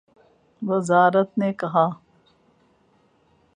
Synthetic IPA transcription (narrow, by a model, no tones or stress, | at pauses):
ʋɐzaːɾət̪nekɐɦaː